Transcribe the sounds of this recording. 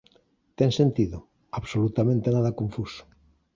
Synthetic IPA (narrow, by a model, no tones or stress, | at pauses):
t̪eŋsẽnt̪iðo | aβsolut̪amẽnt̪enaðakõɱfuso̥